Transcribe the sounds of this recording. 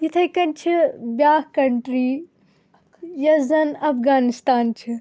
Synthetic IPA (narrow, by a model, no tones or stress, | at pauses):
jit̪ʰɐjkɐnt͡ʃʰibʲjaːkɐɳʈɾiː | jɐzɐnɐpɡaːnist̪aːnt͡ʃʰi